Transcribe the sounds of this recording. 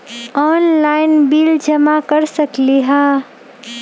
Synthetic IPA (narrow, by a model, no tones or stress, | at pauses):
ɔːnlaːɪnbiːld͡ʒɐmakəɾsəkliɦaː